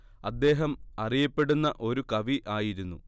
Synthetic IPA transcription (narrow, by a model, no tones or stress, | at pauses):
ɐd̪ːe̞ːɦɐmɐrijɐpːe̞ɽunːɐʔo̞ɾukɐʋiʔaːjiɾunːu